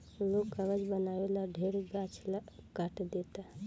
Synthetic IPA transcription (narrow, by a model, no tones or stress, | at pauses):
lokːəʋəd͡ʒbənaʋelaɖʱeɾɡat͡ʃlkaʈd̪et̪a